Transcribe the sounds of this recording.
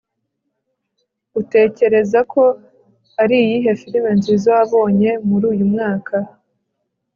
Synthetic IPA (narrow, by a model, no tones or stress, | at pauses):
ute̞ːce̞ɾe̞zakʰo̞ | aɾijiɦe̞fiɾime̞nzizoaβo̞ːɲe̞muɾuːjumŋaːkʰa